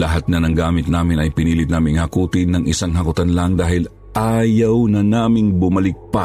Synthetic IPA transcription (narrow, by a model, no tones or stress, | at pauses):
lɐɦat̪̚nɐnɐŋɡaːmɪt̪̚naːmɪnɐjpɪniːlɪt̪naːmɪnŋhɐkuːt̪ɪnːɐŋʔɪsaŋɦɐkʊt̪anlɐŋd̪aːhɪl | ʔaːjɐwnɐnaːmɪŋbʊmɐlɪk̚pɐ